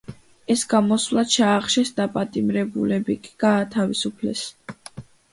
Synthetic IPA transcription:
ɛsɡamɔsvlˠḁt͡ʃʰaːχʃɛsd̪apʼat̪ʼimɾɛbṵlɛbikʼiɡ̥aːt̪ʰavisupʰlɛ̰s

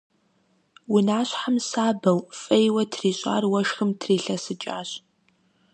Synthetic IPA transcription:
wʊnaːɕħamsaːbɐwfʼɐjwɐtʰriːɕʼa̰ːrwɐʂxɨmtʰriːɬɐsɨt͡ʃʼa̰ːɕ

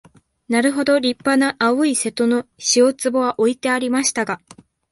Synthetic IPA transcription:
naɾɯ̟ɦo̞d̪o̞ɾʲipːanaʔaɯise̞t̪o̞no̞ɕio̞t͡sɨbo̞βaʔo̞it̪e̞aɾʲimaɕi̥t̪aɡa

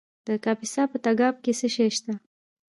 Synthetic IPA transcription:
d̪̥əkɑpisɑpət̪aɡɑb̚kesəʃejʃt̪a

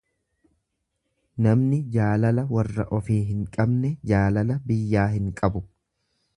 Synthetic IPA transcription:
nɐmnɪd͡ʒaːlɐlɐwɐrːɐʔɔfiːɦɪŋkʼɐbnɛd͡ʒaːlɐlɐbɪjːaːɦɪŋkʼɐbʊ

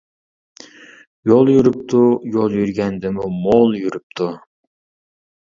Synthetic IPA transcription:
jolˠjyɾyp̚t̪ʰujolˠjyɾɡʲɛnd̪ɪmumolˠjyɾyp̚t̪ʰu

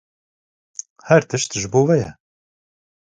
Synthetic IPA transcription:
hɛɾt̪ʰɨʃt̪ʒɨboːvɛjɛ̰

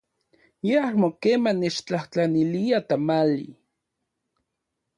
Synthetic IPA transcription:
jeahmokeːmanet͡ʃt͡ɬaht͡ɬaniliat̪amalḭ

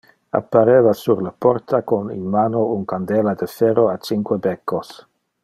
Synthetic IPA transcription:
a̰pːaɾevasuɾlapoɾt̪akonḭnmanouŋkand̪elad̪efeɾoat͡ʃiŋkwebekːos

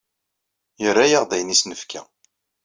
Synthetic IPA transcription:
jəɾːajaʁðæjnisnəfkʰæ̰

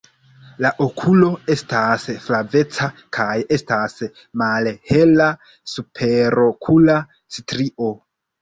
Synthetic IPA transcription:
laʔo̞kʰulo̞e̞stasflave̞t͡sakʰaje̞stas | malhe̞la | supʰe̞ɾo̞kʰula | stɾiʔo̞

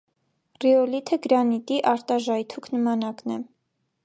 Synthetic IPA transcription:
riɔlit̪ʰəɡɾɑnit̪iʔɑɾt̪ɑʒɑjt̪ʰukʰnəmɑnɑknɛ

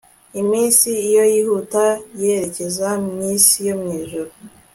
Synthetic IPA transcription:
imiːnsiːjo̞jiːhutajeɾe̞ce̞zamiːnsijo̞mŋiːʒuɾo

